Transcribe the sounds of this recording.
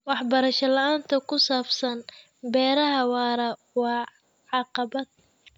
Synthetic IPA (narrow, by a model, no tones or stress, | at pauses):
wɑħbɐɾɐʃɐlɐʔaːnt̪ʰɐkʰʊsaːbsɐn | bɛːɾɐɦɐwɑːɾɐ | wɑː | ʕɑqɑβɐd̪̚